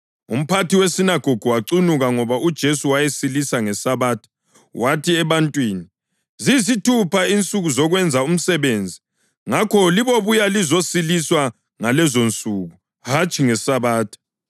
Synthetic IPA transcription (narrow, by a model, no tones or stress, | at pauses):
ṵm̩pʰatiwesinaɡ̥ʱoɡ̥ʱuwaǀunuɣaŋɔβaʔud̥ʒ̥ʱesuwajesilisaŋɛsaβaːtʰɔ̥ | watʰiɛβantʼwiːni | zizitʰupʰaint͡sʼuɣuzɔɣwɛnd͡zʱaum̩sɛβend͡zʱi | ŋakʰɔliβoβujalizosiliswa | ŋalɛzont͡sʼuːɣu | ɦat͡ʃʰʼiŋɛsaβaːtʰɔ̥